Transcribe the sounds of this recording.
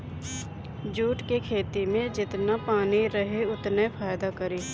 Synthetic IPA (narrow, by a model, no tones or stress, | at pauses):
d͡ʒuːʈkekʰeːt̪imẽd͡ʒɪt̪napaːniɾəɦeʊt̪nepʰaːjd̪akɐɾeː